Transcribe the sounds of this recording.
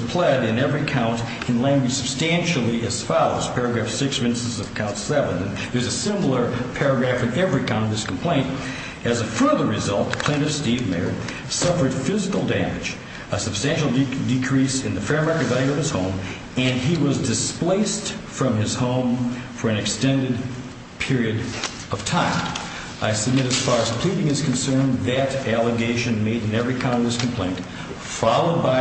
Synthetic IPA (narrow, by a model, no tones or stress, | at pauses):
z̥pʰl̥ɛɾɨ̃nɛvɹikʰãʊ̃nt | ɨ̃nlæ̃ŋɡwɨ̥səb̥stæ̃nʃl̩ˠiɨz̥fɑlˠoʊz̥pʰɛɹɨɡɹæfsɪksɹɪ̃nssʌvkʰãʊ̃ntsɛvɨ̃ñn | ðə˞zɨsɪ̃ml̩ˠə˞pʰɛɹɨɡɹæfɨ̃nɛvɹikʰãʊ̃ñtʌðɪskʰm̩pʰl̥ẽɪ̃nt | ɨzɨfɜ˞ðə˞ɹɨzʌlˠt̚pʰl̥ẽɪ̃ñʌv̥stivmḛɪɹ | sʌfə˞d̥fɪzɨkl̩ˠdæmɨ̰̥d͡ʒ | əsɨb̥stæ̃nʃl̩ˠdɨkʰɹ̥isɨ̃nðɨfɛɹmɛkɨzaɪʌv̥ɨz̥hõʊ̃m | ɨ̃niwʌzdɨspleɪstfɹʌ̃mɪz̥hõʊ̃mfə˞ɨ̃nɨkstɛ̃ndɨd̚ | pʰɪɹiɨɾ | ʌv̥tʰãɪ̃m | aɪsɨb̚mɪɾɨz̥fɑɹɨz̥pʰl̥iɾɪ̃ŋɨz̥kʰn̩sɜ̃˞nðɨɾælˠəɡeɪʃɨ̃nmeɪɾɨ̃nɛvɹikʰɑ̃ŋɡɹɨskʰm̩pʰl̥ḛ̃ɪ̃n | fɑlˠoʊd̚baɪ